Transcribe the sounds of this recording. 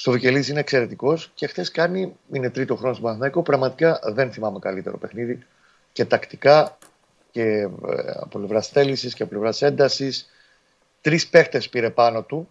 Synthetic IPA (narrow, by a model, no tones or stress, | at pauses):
st̪o̞vice̞lisine̞ːkse̞ɾe̞t̪iko̞sce̞xt̪e̞skɐniine̞t̪ɾit̪o̞xɾo̞not̪oɐθnɐikopɾɐɣmɐt̪i̥kɐðe̞nθimɐme̞kɐlit̪e̞̰ɾo̞̰pe̞xniði | ce̞t̪ɐkt̪i̥kɐ | ce | ɐ̰pople̞vɾɐsθe̞lisisceɐpole̞vɾɐse̞nd̪ɐsis | t̪ɾispe̞xt̪e̞spiɾe̞pɐno̞t̪u